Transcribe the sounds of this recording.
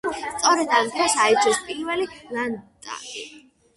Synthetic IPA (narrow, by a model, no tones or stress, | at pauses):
st̪sʼɔɾɛd̪amt̪ʰɾɛsaid͡ʒɔspʼiɾvɛlilant̪ʼa̰ɾi